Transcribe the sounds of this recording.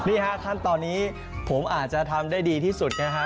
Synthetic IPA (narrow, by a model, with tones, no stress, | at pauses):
niː˥˩kʰa˦˥kʰa˥˩nt̪ɔː˧nːiː˦˥ | pʰo˩˦mʔaː˨˩t̪̚t͡ɕa˨˩t̪ʰa˧mdaː˥˩jdiː˧t̪ʰiː˥˩su˨˩t̪̚ka˦˥kʰa˦˥